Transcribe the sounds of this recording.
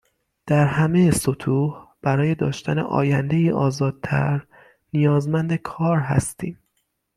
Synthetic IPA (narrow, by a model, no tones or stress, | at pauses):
d̪̥æɾɦæme̞jesot̪ʰuːhb̥æɾɒːje̞d̪ɒːʃt̪ænḛʔɒ̰ːjænd̪ejiːʔɒːzɒːd̪̥̚t̪ʰæ̰ɾ | nijɒːzmænd̪e̞kʰɒːɾɦæ̰st̪iːm